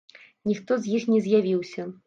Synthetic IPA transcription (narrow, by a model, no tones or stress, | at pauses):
nʲixt̪ɔzʲjixnʲɛzʲjavʲiwsʲɐ